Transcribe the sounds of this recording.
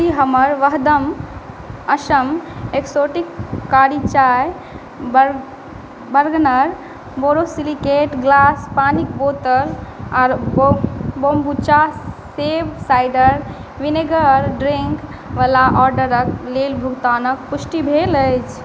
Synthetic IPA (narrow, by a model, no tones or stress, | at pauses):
iɦəməɾʋəɦd̪əm | əʃəmeksoʈikːaɾit͡ʃaj | b | bəɾɡnəɾ | boɾosilikeʈɡlaspanikbot̪əlaːɾ | bombut͡ʃaseʋsajɖəɾ | ʋineɡəɾɖɾiŋk | ʋəlaʔɔɾɖəɾəklelbʱuɡt̪anək̚pusʈibʱeləjt͡ʃʰ